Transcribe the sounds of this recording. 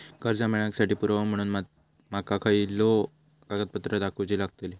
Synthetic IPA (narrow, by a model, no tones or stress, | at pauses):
kəɾd͡zameɭaksaʈiːpuɾam̤əɽ̃uːnma | makakʰaiilːo | kaɡət̪̚pət̪ɾəd̪akʰut͡ɕiːlaɡ̚t̪eli